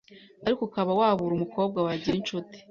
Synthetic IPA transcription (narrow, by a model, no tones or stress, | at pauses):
aɾikukaβawaβuɾumuko̞ːb̚ɡawaɟiɾint͡ʃuti̥